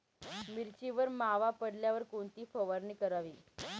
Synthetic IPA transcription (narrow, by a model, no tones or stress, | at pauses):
miɾt͡ɕiʋəɾmaʋapəɽljaʋəɾkoɳt̪iːfəʋaɾniːkəɾaʋiː